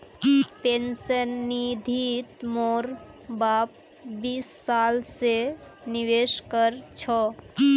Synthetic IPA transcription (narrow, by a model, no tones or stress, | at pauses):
pensənːid̪ʱit̪moɾbaːp̚ | biːsːaːlseniweːʃkəɾt͡ʃʰɔ